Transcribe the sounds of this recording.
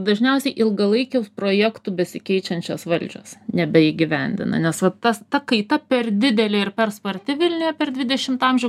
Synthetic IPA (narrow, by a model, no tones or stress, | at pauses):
d̪ɐʒʲnʲɛʊsʲɛɪʔɪlˠɡɐlˠɐɪkʲɛʊspɾoːjækt̪ʊbʲɛsʲɪkʲɛɪt͡ʃʲɛnʲt͡ʃʲoːsʋɐlʲd͡ʒʲo̰ːsnʲɛbʲɛɪɡʲɪʋʲɛnʲd̪ʲɪ̰nɐ̰nʲɛsʋɐt̪ɐst̪ɐkɐɪt̪ɐpʲɛrd̪ʲɪd̪ʲɛlʲeːɪrpʲɛrspɐɾʲt̪ʲɪʋʲɪlʲnʲʊjɛpʲɛrd̪ʲʋʲɪd̪ʲɛʃʲɪmt̪ɑmʲʒʲɛʊ